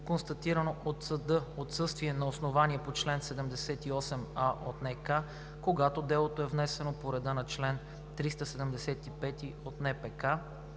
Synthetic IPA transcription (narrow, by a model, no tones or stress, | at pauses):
konst̪ɐt̪iɾɐnoʔot̪sɐd̪ɤot̪sɤst̪viɛnɐosnovaniɛpot͡ʃlɛnsɛd̪ɛmd̪ɛsɛt̪iɔsɛmaʔot̪nɛka | koɡat̪od̪ɛlˠot̪oɛvnɛsɛnopoɾɛd̪anɐt͡ʃlɛn | t̪ɾist̪əsɛd̪ɛmd̪ɛsɛt̪ipɛt̪iot̪nɛpɛka